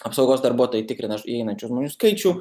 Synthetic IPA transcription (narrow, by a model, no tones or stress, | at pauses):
ɐpsɐʊɡoːsd̪ɐɾbuɔt̪oːjɛt̪ʲɪkɾʲɪnɐʒiɛɪnɐnʲt͡ʃʲʊʒmoːnʲuskɐɪt͡ʃʲʊ